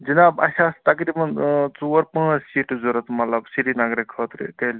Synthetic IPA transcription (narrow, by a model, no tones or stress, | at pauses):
d͡ʒinaːbɐ̰ɕast̪ɐkɾibɐnt͡suɐɾpãːt͡ssiːʈzuɾət̪mɐt̪lɐbsiɾinaɡɾikʰːət̪ɾḛt̪el